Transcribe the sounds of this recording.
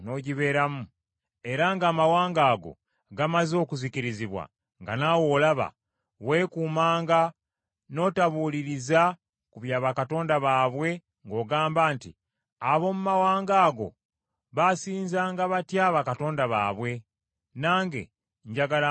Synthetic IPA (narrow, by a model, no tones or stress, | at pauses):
no̞ɟiβe̞ːɾamu | e̞ɾaŋɡaːmawaːŋɡaːɡo̞̰ | ɡamazo̞ːkuziciɾiziβwa̰ | ŋɡa̰nawo̞ːlaβa̰ | we̞ːkuːmaːŋɡa | no̞ːtaβuliɾiza | kuβjaːβakato̞ːndaβaːβwe̞ | ŋɡo̞ːɡaːmbaːntḭ | aβo̞mumawaːŋɡaːɡo̞̰ | βasiːnzaːŋɡaβatjaːβakato̞ːndaβa̰ːβwe̞ | naːŋɡe̞̰ | ɲɟaɡala